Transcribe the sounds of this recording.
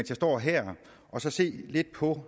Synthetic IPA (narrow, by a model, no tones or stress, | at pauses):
nsʰæsd̥ɒ̰ːɦɛɐ̰ | ʔɒ̽sɒ̽se̝̰ːle̝d̥̚pʰɒ̽